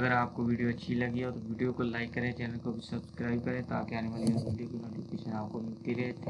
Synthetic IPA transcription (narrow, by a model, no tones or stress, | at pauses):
ɐɡəɾaːp̚koʋiːɖijoɐtːʃʰilɐɡit̪oʋiːɖijokolaːɪkːɐɾẽt͡ʃɛːnəlkobʱisɐbskɾaːɪb̚kɐɾẽt̪a̰ːkeaːneʋaːliɔsʋiːɖijokinoːʈifkeʃənaːp̚komɪlt̪iɾɛɦt̪ʰe